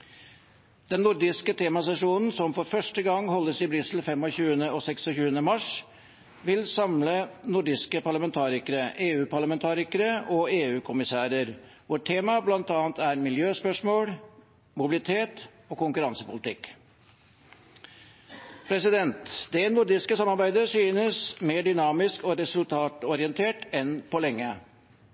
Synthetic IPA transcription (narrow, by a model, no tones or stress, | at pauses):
d̪̥ɛnːʊɾd̪ɪskət̪ʰeːmɑsɛʂuːnn̩sɔmfɔɾfœʂʈəɡɑŋːhɔlːəsɪbɾʏsl̩fɛmɔçʉːənəɔsɛksɔçʉːənəmɑʂ | ʋɪlsɑmlənʊɖɪskəpʰɑɭɑmɛnt̪ʰɑːɾɪkəɾəʔeːʉːpɑɭɑmɛnt̪ʰɑːɾɪkəɾəʔɔeːʉːkʰʊmɪsæːɾəɾʋɔʈʰːeːmɑblɑnt̪ɑːnt̪ʰæɾmɪljøːspœʂmoːɽ | mʊbɪlɪt̪ʰeːt̪ | ɔːkʊŋkʉɾɑnsəpʊlɪt̪ʰɪk | pʰɾɛsɪd̪ɛnt̪d̪ɛnʊɾɖ̪ɪskəsɑmːɑɾbæɪd̪əsyːnəsmeːɖʏnɑːmɪskɔɾɛsʉlt̪ʰɑːt̪ɔɾɪənt̪ʰeːʈɛnpɔlɛŋːə